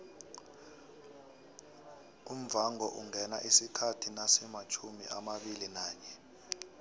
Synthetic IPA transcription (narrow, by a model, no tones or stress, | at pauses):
um̩vaŋɔʔuŋɛnaʔisikʰatʰinasɛmat͡ʃʰumḭʔamaɓilinaːɲɛ